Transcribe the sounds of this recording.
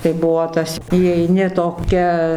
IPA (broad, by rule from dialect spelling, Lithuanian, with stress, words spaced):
tɐɪ ˈbuɔ ˈtɐs iːɛɪˈnʲɪ toːˈkʲɛ